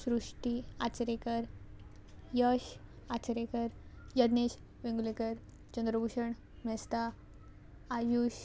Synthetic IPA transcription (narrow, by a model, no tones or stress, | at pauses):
sɾuʂʈia̰t͡ɕɾekəɾ | jəɕ | at͡ɕəɾekəɾjəd̪neɕ | ʋẽŋɡulekəɾ | t͡ɕənd̪ɾəbuʂəɳ | mɛst̪aː | juɕ